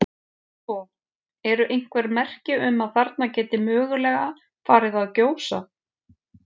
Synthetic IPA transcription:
sɔ | ɛɾʏʔejŋ̥kvɛɾmɛr̥cɪʏmaðθaɾt̪nacɛːt̪ɪmœːɣʏlɛːɣa | faːɾɪðaðcoːwsa̰

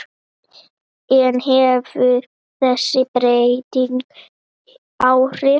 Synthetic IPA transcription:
ɛnɦɛvʏ | θɛsːɪpɾejt̪iŋk | awr̥ɪ

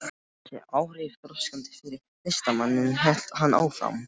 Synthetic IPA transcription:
ɛ̰aːwr̥ɪft̪ɾɔskant̪ɪ̥fɪɾɪɾ | lejst̪amanːɪnɦɛl̥t̪ɦanːʔa̰ːwfɾa̰wm

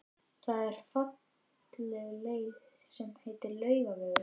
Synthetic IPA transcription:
θaðɛɾ̥fat̪ | lɛɣleːjð | sɛmhejt̪ɪɾlœːɥɣavɛð

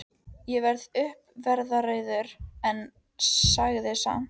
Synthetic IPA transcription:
jɛvɛɾðʏhpvɛɾðaɾeːjðʏɾɛn | saɣðɪsa̰

